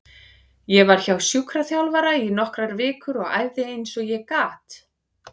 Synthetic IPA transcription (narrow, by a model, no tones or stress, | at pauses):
jɛvaɾ̥çawsjukɾaθjawlvaɾainɔhkɾaɾvɪːkʏɾɔɣa̰ːjvðɪejnsɔɣjɛkaːt̪